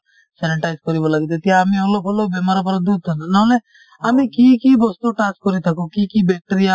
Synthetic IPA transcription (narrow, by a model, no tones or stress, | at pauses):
sɛnɪʈaːɪzkɔɾiboləɡd̪et̪ijamĩəlopʰolobemaːɾapəɾad̪ud̪̚t̪anãle | amĩkiːkiːbɔst̪oʈaːskːɔɾit̪əkoːkiːkiːbɛːk̚ʈəɾija